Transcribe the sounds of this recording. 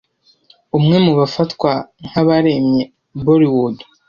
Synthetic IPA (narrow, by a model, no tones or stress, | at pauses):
umŋe̞muβafatkwaŋ̥haβaɾe̞mɲe̞ | boɾiwodo̥